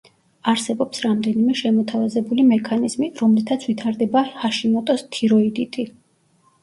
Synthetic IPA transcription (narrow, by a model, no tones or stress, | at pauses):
aɾsɛbɔpsɾamd̪ɛnimɛʃɛmɔt̪ʰavazɛbulimɛkʰanizmiɾɔmlit̪ʰat̪sʰvit̪ʰaɾd̪ɛbahaʃimɔt̪ʼɔst̪ʰiɾɔid̪it̪ʼi